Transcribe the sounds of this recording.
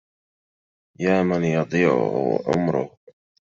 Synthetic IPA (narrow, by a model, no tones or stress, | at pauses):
jaːmanjɑd̪ˤiːʕʊ̰hwa̰ʕʊ̰mɾʊ̰h